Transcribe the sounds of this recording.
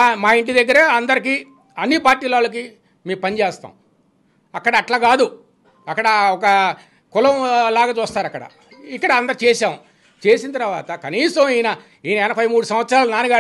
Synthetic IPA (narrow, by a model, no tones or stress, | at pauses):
maːiɳʈ̬id̪ɐɡːɐɾeɐnd̪ɐɾiki | ɐnːipaːɾʈiːlaːlːɐk̬i | miːupɐnit͡ʃeːst̪a̰ːm | ɐkːɐɽɐːʈlaːɡaːd̪u | ɐkːɐɽɐɔkɐ | kʊlɐmlaːɡaːt͡ʃuːst̪aːɾɐkːɐɽɐ̰ | ikːɐɽɐɐnd̪ɐɾit͡ʃɛːsaːmu | t͡ʃeːsint̪ɐɾʋa̰ːt̪ɐkɐniːsɐmijnɐ | iːnɐɛnɐpʰɐjmuːɽusɐm̃ʋɐt̪sɐɾaːlunaːnuɡaː